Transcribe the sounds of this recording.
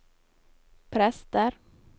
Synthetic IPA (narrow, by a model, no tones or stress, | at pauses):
pʰɾɛst̪əɾ